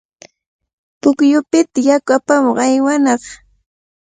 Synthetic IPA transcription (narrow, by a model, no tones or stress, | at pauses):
pʊkjʊpɪt̪ajakʊapamoqajwanɑχ